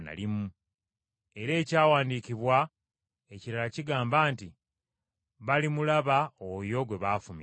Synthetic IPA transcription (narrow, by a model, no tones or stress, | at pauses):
na̰limu | e̞ɾe̞ːcaːwaːndiːciβwa | e̞ciɾalaciɡaːmbaːnti | βalimulaβaojo̞ɡwe̞βaːfumḭ